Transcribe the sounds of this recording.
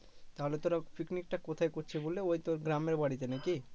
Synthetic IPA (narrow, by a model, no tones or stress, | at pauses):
t̪aɦolet̪oɾafiknik̚ʈakot̪ʰaekoɾt͡ɕʰebolːeojt̪oɾɡɾameɾbaɽit̪̬enaki